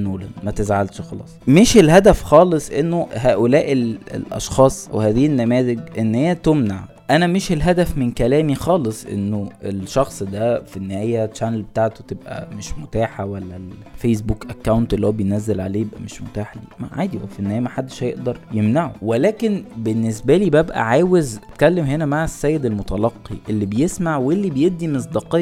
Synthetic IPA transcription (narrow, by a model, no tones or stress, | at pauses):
noːlænmæt̪ezʕalʃxɑlɑ̰ːsˤmeʃelɦæd̪æfxɑːlesˤʔenːoɦæːʔolæːʔelḛlʔɑ̰ʃxɑːsˤʔæwhæːðiːenːæmæːzeɡʔenːhejːæt̪omnaʕ | ʔænæmeʃelɦæd̪æfmenkælæːmixɑːlesˤʔḛnːoʔelʃɑxsˤd̪æfinːehææːjːæt͡ʃːænlbet̪aʕt̪ot̪ebʔæ̰meʃmot̪aːħawælːælfejs̬bukʔækːæwnt̪ʔelːhuwæbejnæzːælʕaleːjebʔæ̰meʃmot̪aːħd̪ḭːma̰ʕa̰ːd̪iʔæfenːhæːjæmaħad̪ːeʃhæjeʔd̪ɑɾˤjemnaʕo̰welæːkenbenːes̬bæliːbæbʔæ̰ʕaːwezt̪kælːemɦenæmaʕesːæːjːed̪elmot̪ɑlɑqːḭʔelːibejesmaʕwelːibejeb̚d̪ːimes̬ˤd̪iqej